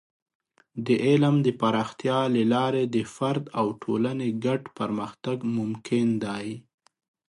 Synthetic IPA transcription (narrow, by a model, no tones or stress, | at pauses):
d̪əʔelamd̪əpaɾɑxt̪jɑlalɑɾed̪əfaɾd̪awʈʰolaneɡaʈpaɾməxt̪aɡmʊmkʰɪnd̪ɑj